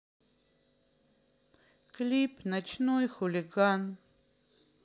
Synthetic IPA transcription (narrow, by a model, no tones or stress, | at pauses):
kʼlipʰʼnat͡ʃʰnojxuliɡan